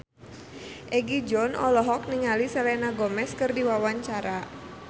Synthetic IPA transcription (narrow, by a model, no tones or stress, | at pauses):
ʔɛɡid͡ʒɔnɔ̰lɔɦɔk̚niŋalisɛlɛnaɡɔmɛskɨrdiwawaɲt͡ʃaɾa